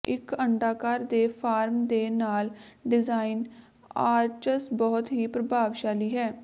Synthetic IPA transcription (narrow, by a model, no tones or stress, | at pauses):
ɪkəɳɖaːkaːɾd̪eːpʰaːɾmd̪eːnaːlɖɪzaːɪn | aːɾt͡ʃəsbɔɦʊt̪ɦiːpɾəbʱaːʋʃaːliːɦɛː